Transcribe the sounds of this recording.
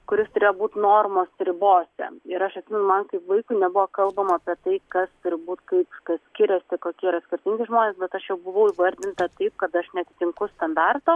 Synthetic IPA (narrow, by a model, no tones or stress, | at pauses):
kʊɾʲɪst̪ʊɾʲeːjoːbuːt̪ʲnoːrmoːsɾʲɪboːsʲɛ̰ɪɾɐʃɐt̪sʲɪmʲɛnʊmɐnkɐɪpʋɐɪkʊɪnʲɛbʊʋoːkɐlˠbɐmɐɐpʲiɛt̪ɐɪkɐst̪ʊɾʲɪbuːt̪kɐɪpkɐssʲkʲɪɾʲɛsʲɪkoːkʲiiɾɐsʲkʲɪrʲt̪ʲɪŋʲɡʲɪʒmoːnʲeːsbʲɛt̪ɐʃjɛʊbʊʋɐʊiːʋɐɾʲd̪ʲɪnt̪ɐt̪ɐɪp̚kɐt̪ɐʃnʲɛt̪ʲɪ̥t̪ʲɪŋkʊst̪ɐnd̪ɑrt̪oː